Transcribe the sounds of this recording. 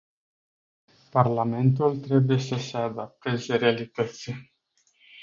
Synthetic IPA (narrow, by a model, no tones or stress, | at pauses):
parlame̞nt̪̬ult̪ɾe̞bujesəsead̪ap̚t̪ezeɾealit̪ət̪sʲje